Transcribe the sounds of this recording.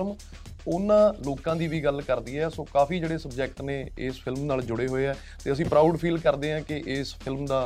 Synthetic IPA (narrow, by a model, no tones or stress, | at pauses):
m | ʊnːãːloːkãːd̪iːʋiːɡəlkəɾd̪iːɛːsõːkaːfiːd͡ʒeːɽeːsəbd͡ʒɛːk̚ʈneːɪːspʰɪlmnaːld͡ʒʊɽeːɦoːeːɛː | t̪eːəs̬ĩːpɾaːuɖpʰiːlkəɾd̪eːãːkɪʔɪːspʰɪlmd̪aː